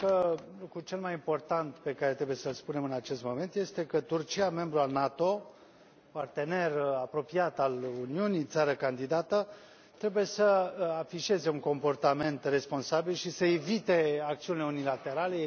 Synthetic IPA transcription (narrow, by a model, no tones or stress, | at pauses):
kəlokɾut͡ʃe̞lmajimpo̞rt̪ant̪pe̞kaɾet̪ɾe̞bujesəlspune̞mɨnat͡ʃe̞st̪mo̞me̞nt̪jest̪e̞kət̪urt͡ʃiame̞mbɾualnat̪o̞ | part̪e̞ne̞rapɾo̞piat̪aluniunit̪saɾəkand̪id̪at̪ə | t̪ɾe̞buje̞səafiʃe̞ze̞uŋko̞mpo̞rt̪ame̞nt̪re̞spo̞nsabilʃisəevit̪e̞ak̚t̪siunileunilat̪e̞ɾale̞